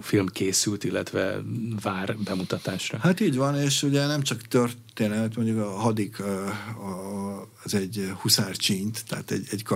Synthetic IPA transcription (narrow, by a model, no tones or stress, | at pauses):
filmkʰeːsylt̪ilːɛ̰t̪ʋɛ̰vaːrbɛmut̪ɒt̪aːʃrɒhat̪iːɟʋɒneːʃuɟɛnɛmt͡ʃɒkt̪ørt̪eːnɛmɛt̪mo̞ɲɟukɒɦɒd̪ik | ɛzɛɟhusaːrt͡ʃint̪ːɛɦa̰t̪ɛ̰ɟɛɟkɒ